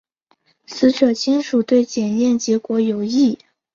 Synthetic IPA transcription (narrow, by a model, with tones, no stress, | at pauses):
sɹ̩˧˥ɕɔ˨˩t͡ɕʰi˥nʂu˨˩t̪we˥˩ɪt͡ɕjɛ˨˩njɛ˥˩nt͡ɕjɛ˧˥kwɔ˧˥jo˨˩ʊi˥˩